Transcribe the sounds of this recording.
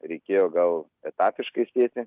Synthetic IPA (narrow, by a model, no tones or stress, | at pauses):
ɾʲɛɪkʲeːjoːɡɐlˠ | ɛt̪ɑːpʲɪʃkɐɪsʲeːt̪ʲɪ